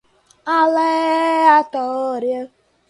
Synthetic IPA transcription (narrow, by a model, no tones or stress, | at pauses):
aleatɔoɾjo